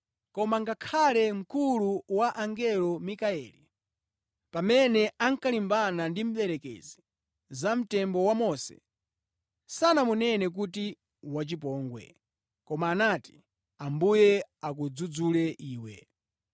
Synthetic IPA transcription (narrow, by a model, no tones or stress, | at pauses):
kɔmaŋɡakʰalɛm̩kuluwaʔaŋɡɛlɔmikaɛːli | pamɛnɛaŋkalimbanandim̩ɓɛɾɛkɛ̰zi | zam̩tɛmbɔwamɔsɛ̰ | sanamunɛnɛk̬ut̬i | wat͡ʃip̬ɔːŋɡwɛ̰ | kɔmaːnati̥ | ambujɛak̬ud͡zud͡zulɛʔiːwɛ̰